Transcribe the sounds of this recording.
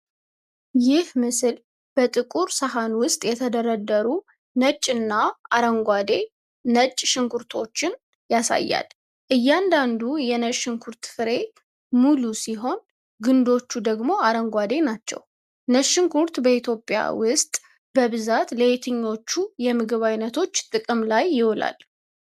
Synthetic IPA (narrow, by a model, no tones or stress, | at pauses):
jɪhmɨsɨl | b̥ət̪ʼɨkʼuɾsəɦanwʊst̪ʼjɛt̪ʰəd̪əɾəd̪ːəɾu | nət͡ʃʼːɨnːaaɾəŋɡʷwad̪e̞ | nət͡ʃʼːʃɪŋkʰuɾt̪ʰo̞t͡ʃːɪn | jasa̰jːa̰l | ʔɨjːand̪and̪ujɛnəʃɪŋkʰuɾt̪fɨɾe̞ | mulusiɦo̞n | ɡɨnd̪o̞t͡ʃːud̪əɡmo̞aɾəŋɡʷad̪e̞nat͡ʃːɛ̰w | nəʃɪŋkuɾt̪bəit̪ʰjo̞pʼːɪja̰wʊst̪ʼ | bəβɨzat̪ləet̪ʰɨɲːo̞t͡ʃːujɛmɨɡɨβajnət̪ʰo̞t͡ʃːt̪ʼɨkʼɨmlajːɪwla̰l